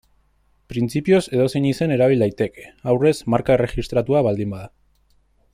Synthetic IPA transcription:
pɾint͡sipio̞se̞ð̞o̞seɲise̞ne̞ɾaβ̞ild̪ajt̪e̞ke̥awre̞zmaɾkaere̞xist̪ɾat̪uaβald̪imbaða

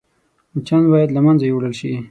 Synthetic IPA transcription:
t͡ʃand̪bɑjad̪lamanzajewɽəlʃi

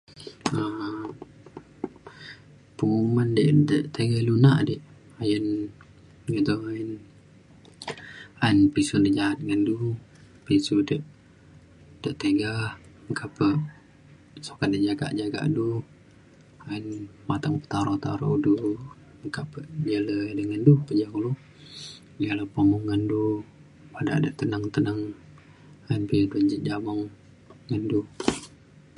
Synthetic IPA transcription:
ə | pəŋumandəʔdəʔt̪eɡahlunaʔdəʔ | ajən | ɡəd̪ɔŋajən | ajənpisundəʔd͡ʒaɦat̪̚ŋandu | pisudəʔ | d̥əʔt̪eɡahəŋkʰapəʔ | sokadəʔd͡ʒaɡa̰ʔd͡ʒaɡa̰ʔdu | aənmat̪aŋpə̥t̪aɾot̪a̰ɾɔ̰ʔudu | məŋkapəʔd͡ʒələdəŋəndupəd͡ʒaŋulu | jələpomuŋːəndu | pada̰ʔdəʔt̪ənəŋt̪ənəŋ | aənpəjaduəɲd͡ʒəʔ̪̚d͡ʒamɔŋː | əndu

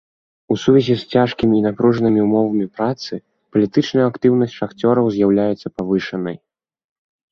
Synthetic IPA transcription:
usuvʲɛzʲisʲt͡sʲaʂkʲimʲiːnapɾuʐɐnɨmʲiumɔvɐmʲipɾat̪sɨ | pɐlʲit̪ɨt͡ʂnɐjɐakt̪ɨwn̪ɐsʲtʲʂaxt͡sʲɔɾɐwzʲjawlʲajɛt̪sːɐpavɨʂɐnɐj

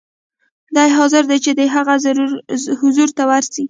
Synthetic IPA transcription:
d̪ɑjeɦɑzɪɾd̪et͡ʃed̪əɦaɣaz | hʊzuɾt̪awaɾsi

